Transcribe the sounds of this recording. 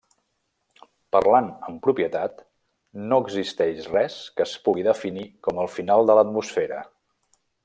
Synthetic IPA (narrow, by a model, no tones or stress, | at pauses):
pərlanəmpɾupjət̪at̪ | noəɡzist̪ɛʃrɛskəspuɣiðəfinikɔməlˠfinalˠd̪ələt̪musfeɾə̰